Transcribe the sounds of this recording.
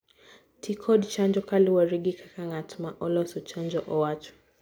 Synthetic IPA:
tʰikʰɔɗt͡ʃand͡ʒɔkaliwaɾiɡikʰakaŋatʰumaʔɔlɔsɔt͡ʃand͡ʒɔʔɔwatu̥

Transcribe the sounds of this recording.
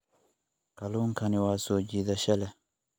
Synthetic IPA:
kaluŋkaniwasod͡ʒid̪aʃɛlɛ

